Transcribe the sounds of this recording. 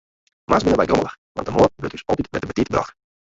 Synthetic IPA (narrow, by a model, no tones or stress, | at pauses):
mʔasbɪnəbɛjdomə̰lˠə | ʋɑntdəmoːbøtdysɔ̰titmɛt̚dəbətitəbrɑ̰x